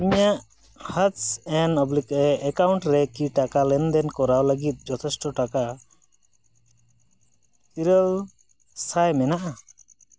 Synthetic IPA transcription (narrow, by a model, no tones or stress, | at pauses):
amijaʔ | hat͡ʃɛnɔblikɛːkawuɳʈɾɛkiʈakalɛnd̪ɛnkɔɾawləɡit̪̚d͡ʒɔt̪ʰɛsʈɔʈaka | t̪iɾəl | sʰajmɛnaʔa